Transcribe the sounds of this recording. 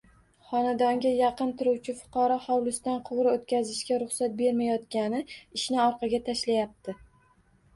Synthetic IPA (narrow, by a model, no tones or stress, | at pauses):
χɒnad̪ɒŋɡʲajɑqɨnt̪ʰɪɾuwt͡ʃʰɪfʊ̥qʰɒɾɒχɒwlˠʊst̪anqʰʊwɾɪot̪kʲazɪʃkʲaɾʊχsat̪̚be̞ɾmajɒt̪kʲanɪɪʃnɪɒɾqɑɡʲat̪ʰaʃlajap̚t̪ʰɪ